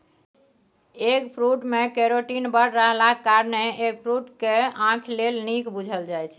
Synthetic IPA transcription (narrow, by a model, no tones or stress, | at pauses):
ekpʰɾuʈmekeɾoʈinbəɽɾəɦlakaɾneek̚pʰɾuʈkeãkʰlelnikbud͡ʒʱəld͡ʒajt͡ʃʰɛ